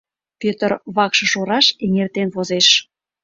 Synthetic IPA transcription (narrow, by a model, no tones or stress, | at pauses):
pʲøt̪ərβɑkʃɤ̆ʃoɾɑʃeŋert̪enβozeʃ